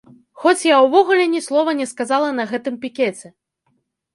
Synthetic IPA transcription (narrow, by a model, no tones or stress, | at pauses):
xɔt͡sʲjawvɔɣulʲɛnʲɛslˠɔvɐnʲɛskazalˠɐnɐɣɛt̪ɨmpʲikʲɛt͡sʲɛ